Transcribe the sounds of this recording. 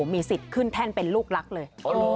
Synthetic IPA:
miː˧si˨˩t̪̚kʰɯ˥˩nt̪ʰɛː˥˩npe˧nluː˥˩k̚la˦˥k̚lɤː˧j

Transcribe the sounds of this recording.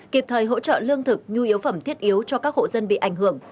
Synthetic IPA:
ki˨˩p̚t̪ʰəː˨˩jɦo̰˧˥t͡ɕə̰ː˧˨lɨ˧əŋt̪ʰɨ˨˩k̚ɲu˧i˨˦əwfə˧˩mt̪ʰi˦˥ət̚ʔi˨˦əwt͡ɕɔ˧kaː˦˥k̚ho̰˧˨zə˧nɓḭ˧˨ʔa˧˩jŋ̟ɦɨ˧˩əŋ

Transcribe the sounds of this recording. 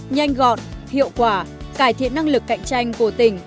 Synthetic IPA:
ɲa˧jŋ̟ɣɔ̰˧˨nhḭ˧˨əwkwaː˧˩ | kaː˧˩jt̪ʰḭ˧˨ənːa˧ŋlɨ˨˩kːa̰˧˨jŋ̟t͡ɕa˧jŋ̟ku˧˩ət̪ï˧˩ŋ̟

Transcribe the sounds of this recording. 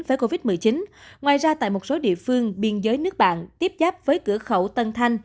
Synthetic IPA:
nvəː˨˦jko˧vi˦˥t̚mɨ˨˩əjt͡ɕi˨˦nŋwaː˨˩jzaː˧t̪a̰ː˧˨jmo˨˩t̚so˨˦ɗḭ˧˨əfɨ˧əŋɓi˧ənzəː˨˦jnɨ˦˥ək̚ɓa̰ː˧˨nt̪i˦˥əp̚zaː˦˥p̚vəː˨˦jkɨ̰˧˩əxə˧˩wt̪ə˧nt̪ʰa˧jŋ̟

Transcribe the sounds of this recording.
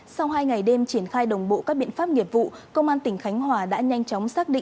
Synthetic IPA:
sa˧wɦaː˧jŋa˨˩jɗe˧mt͡ɕi˧˩ənxaː˧jɗə˨˩wŋ͡mɓo̰˧˨kaː˦˥k̚ɓḭ˧˨ənfaː˦˥p̚ŋi˨˩əp̚vṵ˧˨kə˧wŋ͡mʔaː˧nt̪ï˧˩ŋ̟xa˨˦jŋ̟ɦwaː˨˩ɗa̰ː˧˥ɲa˧jŋt͡ɕɔ˨˦wŋ͡msaː˦˥k̚ɗḭ˧˨ŋ

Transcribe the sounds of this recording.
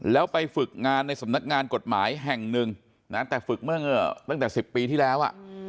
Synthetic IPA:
lɛː˦˥wpa˧jfɯ˨˩k̚ŋaː˧nːa˧jsa˩˦mna˦˥k̚ŋaː˧nko˨˩t̪̚maː˩˦jɦɛ˨˩ŋnɯ˨˧ŋ | na˦˥t̪ɛː˨˩fɯ˨˩k̚mɯ˥˩ɐŋɤ˧˩t̪a˥˩ŋt̪ɛː˨˩si˨˩pːiː˧t̪ʰiː˥˩lɛː˦˥wʔa̰˨˩ʔ

